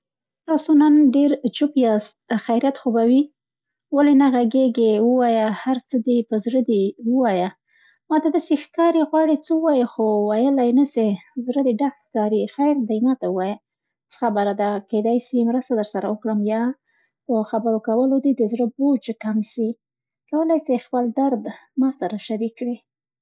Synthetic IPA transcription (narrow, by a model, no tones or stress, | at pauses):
t̪ɑsonanɖeɾt͡ʃupjɑst̪̚xajɾijat̪xobawi | walenaɣaɡeɡewəwɑjahaɾt͡səd̪epəzɾəd̪ewəwɑja | mɑd̪ad̪asexkɑɾiɣwɑɽit͡səəwɑjexowajəlajnəsezɾəd̪eɖakxkɑɾixajɾd̪ajmɑt̪awəwɑja | t͡sə̥xabəɾad̪aked̪ɑjsimɾəst̪ad̪əɾsaɾawəkɽəmjɑ | əxabəɾokawəlod̪id̪əzɽəbot͡ʃkamsi | kawəlajsajxpəld̪aɾd̪mɑsaɾaʃaɾikːɽi